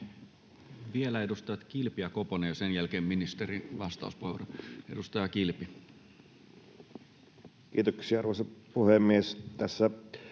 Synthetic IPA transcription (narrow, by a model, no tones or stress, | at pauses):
ʋielæedust̪ɑjɑt̪k̟ilpijɑkoponejosenjælk̟eːmminist̪eɾinʋɑst̪ɑ̰ˑuspoeʋoree̞dust̪ɑjɑkilpi | kḭːt̪oksiɑɑrʋoeˑsɑpuhemːiest̪æsːæ